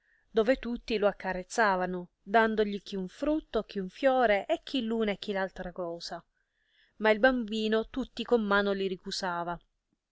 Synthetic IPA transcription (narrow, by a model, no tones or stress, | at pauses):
d̪oːvet̪ut̪ːiloakːarːet̪sːaːvano | d̪and̪oʎik̟iuɱfɾut̪ːok̟iuɱfjɔːɾeʔek̟ːilːuːnɛk̟ːilalt̪ɾakɔːsa | mailbambiːnot̪ut̪ːikomːaːnoliɾikusaːva